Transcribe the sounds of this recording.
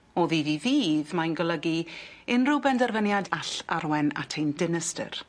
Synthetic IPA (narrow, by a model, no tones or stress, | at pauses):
ɔðiðiðiːðmajnɡɔlˠəɡiɪnrʊbɛndɛrvənjadaɬa̰ɾwɛna̰tʰejndɪnəstə̰r